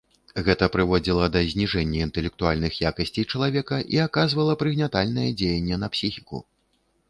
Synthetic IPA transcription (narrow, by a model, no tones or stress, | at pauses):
ɣɛt̪ɐpɾɨvɔd͡zʲilˠɐd̪ɐzʲnʲiʐɛnʲːɐint̪ɛlʲɛk̚t̪ualʲnɨxjakɐsʲt͡sʲejt͡ʂɐlˠavʲɛkɐʔiakazvɐlˠɐpɾɨɣnʲat̪alʲnɐjɛd͡zʲejɐnʲːɛn̪ɐpsʲixʲikṵ